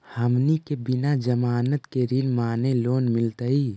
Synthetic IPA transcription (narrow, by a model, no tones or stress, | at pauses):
həmnikebɪnad͡ʒəmaːnət̪keɾinmaːneloːnmɪlt̪əiː